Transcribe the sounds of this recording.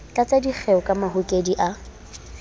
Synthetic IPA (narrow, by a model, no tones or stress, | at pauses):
t͡ɬʼat͡sʼadik͡xʰɛʊkʼamaɦʊkʼediʔa